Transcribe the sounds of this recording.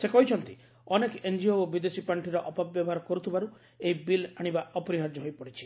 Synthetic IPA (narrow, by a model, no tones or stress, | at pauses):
sekɔɦit͡ʃʰɔnt̪i | ɔnekend͡ʒioobid̪esipaɳʈiɾɔʔɔpabjɔbɔɦaɾɔkɔɾut̪ʰibaɾu | eibilaɽ̃ibaɔpɔɾiɦaɾd͡ʒɔɦojpɔɽit͡ʃʰi̥